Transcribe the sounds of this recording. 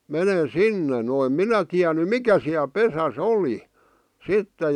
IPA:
menen̞ sinːe no em minæ tiæny mikæ siæl pesæs oli sitːe

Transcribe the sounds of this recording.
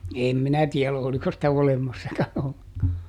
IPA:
eˑm minæ tiɛl oliko sitæ olemɑsːɑkɑn olːeŋkɑː

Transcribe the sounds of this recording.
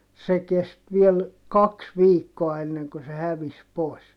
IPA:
se kest ʋiel kɑks ʋiːkːoɑ enːeŋkø se hæʋis poˑi̯s

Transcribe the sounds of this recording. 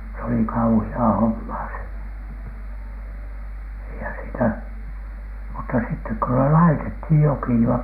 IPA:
s oli kɑuhiɑː homːɑː se eihæn sitæ mutːɑ sitːek ko ne lɑitethij joki jɑ

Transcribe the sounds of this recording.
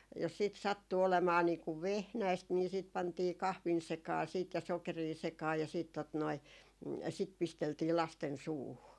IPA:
jos siːt sɑtːu olemɑː niːku ʋehnæist niː siˑt pɑntiː kɑhʋin sekɑː siːt jɑ sokeriː sekɑː jɑ siːt tot noi sit pisteltiː lɑsten suːhu

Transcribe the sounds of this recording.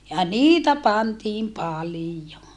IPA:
jɑ niːtæ pɑntiːm pɑlijo

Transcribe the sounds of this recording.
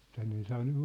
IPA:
tænːe ei sɑː nyʋ

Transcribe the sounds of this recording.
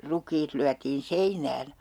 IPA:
rukˑiːt lyætiːn seinæːn

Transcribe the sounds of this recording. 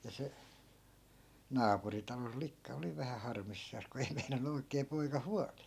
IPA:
jɑ se nɑːpuri tɑlol likːɑ oli ʋæhæ hɑrmisːɑːs ku ei meinɑnˑu oikeː poikɑ huɑliː

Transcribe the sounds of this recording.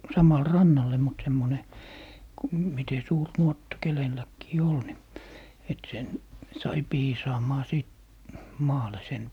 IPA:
sɑmɑl rɑnːɑlːe mut semːone ku mite suːr nuotːɑ kelelːækːiː ol ni et sen sɑi piːsɑːmɑː siˑt mɑːle sen

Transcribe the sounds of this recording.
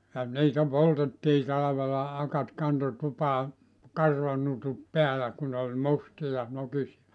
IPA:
jɑ niːtæ poltetːiː tɑlɑʋelɑ ɑkɑt kɑnto tupɑː kɑrʋɑnutut peælæ ku nĕ ol mustijɑ nokisiɑ

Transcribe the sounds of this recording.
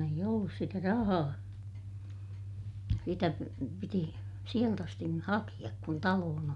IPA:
eij olːus sitæ rɑhɑː sitæ piti sielt ɑstin ni hɑkij̆ɑk kun tɑloːn

